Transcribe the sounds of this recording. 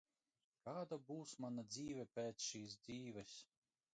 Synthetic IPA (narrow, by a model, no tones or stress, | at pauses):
kaːd̪abuːsmanad̪ziːvʲɛpʲɛːt̪sʃiːs̬d̪ziːvʲɛs